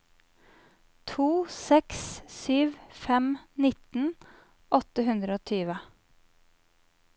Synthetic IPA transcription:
t̪ʰuːsɛkssyːʋfɛmnɪt̪n̩ | ʔɔt̪əhʉnd̪ɾəoːt̪ʰyːʋə

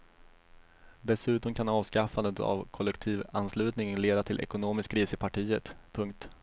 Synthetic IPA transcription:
d̪ɛsʉ̟ːt̪ɔmkʰanɑːvskafand̪ət̪ʰa̰vkʰɔlːɛkt̪ʰiːvanslʉ̟ːt̪nɪŋənleːd̪at̪ʰɪlʔɛ̰kʊnoːmɪskɾiːsəpʰaʈʰiːət̪pʰɵŋk̚t̪

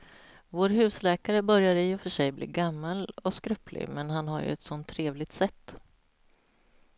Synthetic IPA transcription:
voːɾɦʉ̟ːslɛːkaɾəbœɾjaɾɪɔfœʂɛjblḭːɡamːalɔskɾɵpʰlɪ̰mɛnɦanɦa̰ɾjɵ̰ɛt̪sɔnt̪ʰːɾeːvlɪt̪sɛt̪ː

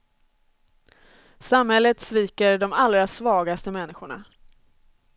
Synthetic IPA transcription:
samhɛlːət̪sviːkəɾɖɔmalɾasvɑːɡast̪əmɛnːɪɧʊɳa̰

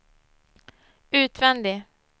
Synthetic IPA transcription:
ʉ̟ːt̪vɛnd̪ɪ

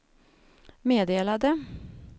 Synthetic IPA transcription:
meːd̪eːlad̪ə

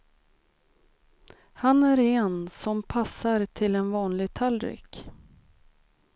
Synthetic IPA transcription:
hanæɾɛnsɔmpʰasːaɾt̪ʰɪlɛnvɑːnlɪɡ̚t̪ʰalɾɪ̰k

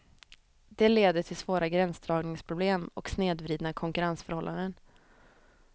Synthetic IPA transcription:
d̪ɛleːd̪əʈʰɪlsvoːɾaɡɾɛnsd̪ɾɑːɡnɪŋspʰɾʊbleːmɔ̰ksneːd̪vɾiːd̪nakʰɔŋkɵɾansfœɾhɔlːa̰nd̪ən

